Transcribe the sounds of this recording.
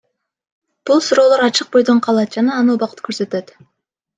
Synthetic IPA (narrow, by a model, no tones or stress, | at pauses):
b̥ulˠsuɾo̞ːlˠo̞ɾɑt͡ʃɯq̚bo̞jd̪o̞ɴqʰɑlˠɑt̪̚d͡ʒɑnɑːnubɑqə̥t̪kʰøɾsø̞t̪ø̞t̪